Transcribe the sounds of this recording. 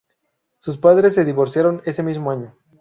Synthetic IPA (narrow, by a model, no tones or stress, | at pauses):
suspaðɾes̬ːe̞ðiβo̞ɾsjaɾo̞ne̞se̞mizmoaɲo̞